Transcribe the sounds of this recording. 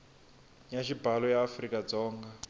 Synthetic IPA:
jaʃibalɔjaːfrikʼad͡zɔːŋɡa

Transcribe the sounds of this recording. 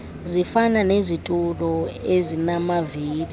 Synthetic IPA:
zifananezitʼulɔezinamaviːli

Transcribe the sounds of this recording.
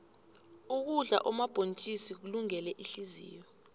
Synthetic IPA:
uk̬uɮa̰ʔɔmab̥ʱont͡ʃʼisik̬uluŋɛlɛʔiɬizḭːjɔ

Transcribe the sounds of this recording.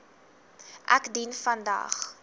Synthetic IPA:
ʔæ̰kdinfɐndɐ̰ːχ

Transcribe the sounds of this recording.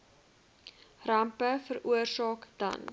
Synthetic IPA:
rɐmpəfəɾuərsɑːkd̥ɐ̰n

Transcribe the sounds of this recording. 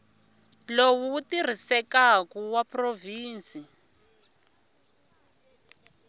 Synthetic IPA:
lowuːtir̤isɛkakuwaproviːnt͡sʼi

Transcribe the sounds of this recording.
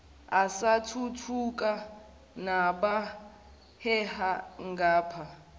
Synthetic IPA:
asatʰutʰukʼa | naɓa | hɛhaŋɡaːpʰa

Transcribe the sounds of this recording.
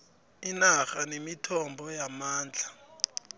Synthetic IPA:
inaxanemitʰɔmbʱɔjamaːnd͡ɮʱa

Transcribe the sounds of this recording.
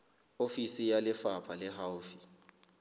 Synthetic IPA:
ofisijalɪfapʰalɛɦawufi̥

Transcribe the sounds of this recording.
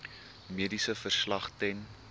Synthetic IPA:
miədisəfərslɐχtɛn

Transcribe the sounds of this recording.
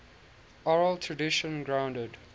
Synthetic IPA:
ɔɹəltʰɹədɪʃə̃nɡɹãʊ̃ndəd

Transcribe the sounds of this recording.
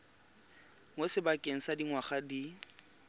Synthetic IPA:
ŋosɪbakʼeŋ̩sadiŋwaχadi

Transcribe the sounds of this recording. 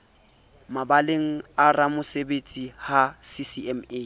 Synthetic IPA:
mabaleŋ̩aramʊsebet͡sʼihasisiɛme

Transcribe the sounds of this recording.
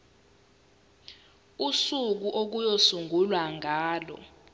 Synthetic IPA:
usuk̬uʔok̬ujosuŋɡʱulwaŋʱaːlɔ̰

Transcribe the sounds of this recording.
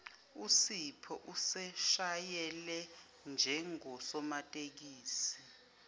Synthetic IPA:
usipʰɔʔusɛʃajɛlɛ | nd͡ʒʱɛŋɔsɔmatʼek̬iːsi

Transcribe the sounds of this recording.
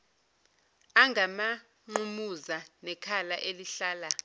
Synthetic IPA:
aŋɡʱama | ŋ͡ǃumuzanɛkʰalaʔeliɬaːla

